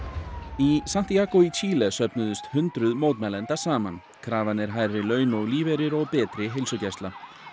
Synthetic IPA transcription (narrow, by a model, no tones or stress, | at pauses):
isam̥t̪ijakɔit͡ɕʰiːlɛsœpnʏðʏst̪hʏnt̪ɾʏðmoːwt̪mɛlɛnt̪ḁsaːma̰n | kʰɾaːvanɛɾ̥ɦajrɪlœːɥnɔɣliːvɛɾɪɾɔɣpɛːt̪ɾɪɦɪlsʏcast̪la